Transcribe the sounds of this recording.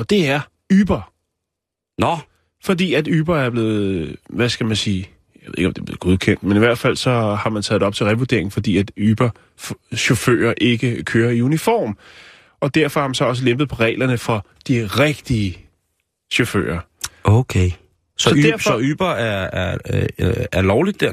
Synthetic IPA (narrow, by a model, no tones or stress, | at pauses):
ɒd̥e̝æɐ | yːb̥ɐ | nɒ | fɒ̽d̥ḭːæd̥yːb̥ɐæɐb̥le̝ːð̩ˠʋæsɡ̥æmænsiː | jæʋeðˠeɡɒmd̥e̝b̥le̝ːð̩ˠɡ̥o̝ðˠkʰen̰d̥meniʋæɐ̰d̥fæl̰sɒ̽hɑ̈mænt͡sʰɛ̰ːð̩ˠɒ̽b̥t͡sʰe̝lʁɛʋud̥e̝ɐ̰e̝ŋ̩fɒ̽d̥ḭːæd̥yːb̥ɐ | ɕo̝fø̰ːɐʔe̝ɡ̥əkʰøːɐiunifɒ̰ːm | ɒ̽d̥æɐfɒ̽hɑ̈mænsɒ̽ɒ̽s̬əlemb̥ð̩ˠpʰɒ̽ʁɛ̰ːlɐnəfɒ̽ | d̥iʁɛɡ̥d̥iə | ɕofø̰ːɐ | ʔoʊkʰe | sɒɒdæɐsɒyːb̥ɐæɐ | æɐlɒʊlid̥̚e